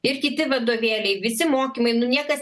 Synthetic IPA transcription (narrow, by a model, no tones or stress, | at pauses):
ɪɾkʲɪt̪ʲɪʋɐd̪oːʋʲeːlʲɛɪʋʲɪsʲɪmoːkʲimɐɪnʊnʲiɛkɐs